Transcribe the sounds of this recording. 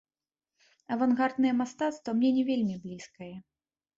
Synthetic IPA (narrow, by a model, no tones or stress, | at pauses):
ɐvanɣard̪nɨjɛmast̪at̪st̪vɐmnʲɛnʲɛvʲelʲmʲiblʲiskɐjɛ